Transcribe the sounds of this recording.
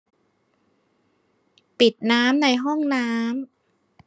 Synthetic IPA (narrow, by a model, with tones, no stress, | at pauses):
pi˨˩t̪̚naː˦˥mna˧jɦɔ˥˩ŋnaː˦˥m